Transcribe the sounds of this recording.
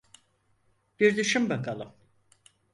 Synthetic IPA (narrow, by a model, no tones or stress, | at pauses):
b̥iɾd̪yʃymbakʰalˠɯm